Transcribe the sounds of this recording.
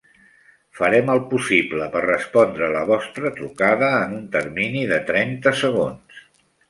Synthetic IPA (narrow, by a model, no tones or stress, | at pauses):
fəɾɛməlˠpusibləpərrəspɔnd̪ɾələβɔst̪ɾət̪ɾukaðəːnunt̪ərminiðət̪ɾɛnt̪əsəɣ̞ons